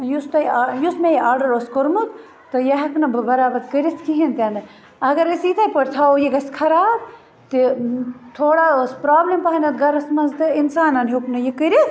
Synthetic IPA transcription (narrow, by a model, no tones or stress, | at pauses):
just̪ɐjijusmejiaːɾɖɐɾoskoɾmut̪ | t̪ɨjɐɦɐknɐbɨbɐɾaːbɐt̪kəɾiskiɦint̪end̪ɨ | ɐɡɐɾisit̪ʰajpɐɽt̪ʰaːojiɡɐskʰɐɾaːb̚ | t̪it̪ʰoːɽaospɾaːblimpaɦɐnɐt̪ɡɐɾɐsmɐnzt̪ɨinsaːnɐnɦoknɐjikəɾit̪